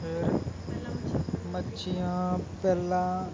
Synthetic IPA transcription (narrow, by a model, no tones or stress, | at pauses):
ɪɾ | mətːʃʰijãːpɛːlã